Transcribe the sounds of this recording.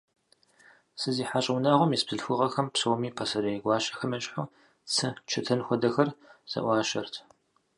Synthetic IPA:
sɨziːħaɕʼɐwnaːʁʷɔmjispz̥ɨɬfʷʊʁɐxɐmpsoːmiːpʰɐsɐɾɐjɡʷɑːʃʼɐ̥xɐmɐt͡ʃʼħʊ | t͡sʰɨt͡ʃʰɨtʰɐnxʷɔdɐxɐrz̥ɐ̰ʔʷɑːʃɐrtʰ

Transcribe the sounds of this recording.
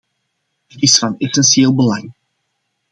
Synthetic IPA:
ətisfɑnɛsɛnsieːlˠbəlɑŋ

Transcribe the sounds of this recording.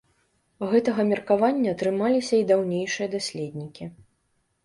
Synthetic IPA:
ɣɛt̪ɐɣɐmʲirkavanʲːɐːt̪ɾɨmalʲisʲɐid̪awnʲejʂɨjɐd̪asʲlʲed̪ʲnʲikʲi

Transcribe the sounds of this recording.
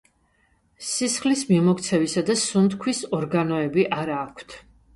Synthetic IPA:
sisχlismimɔkt̪sʰɛvisad̪asumt̪kʰwisɔɾɡanɔɛbiʔaɾaːkʰt̪ʰ

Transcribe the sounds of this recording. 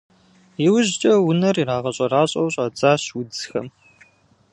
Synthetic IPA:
jiwʊʑt͡ʃʼɐwʊnɐriɾaːʁɐɕʼɐraːɕʼɐ̰wɕʼaːt͡sʼaːɕwʊd͡zxɐ̰m

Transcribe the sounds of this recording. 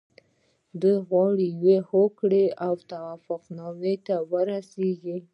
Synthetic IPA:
d̪ujɣwɑɽijwehokɽeawt̪awafʊqnɑmet̪awəɾaseɡi

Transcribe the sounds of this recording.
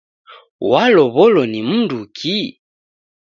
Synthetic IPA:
walɔβɔlɔnim̩ndukʰi

